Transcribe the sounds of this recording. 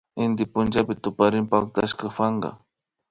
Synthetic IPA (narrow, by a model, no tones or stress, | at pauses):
ɪnd̪ɪpʊnd͡ʒapɪt̪ʊpaɾɪmpaak̚t̪aʃkafaɴɢɑ̰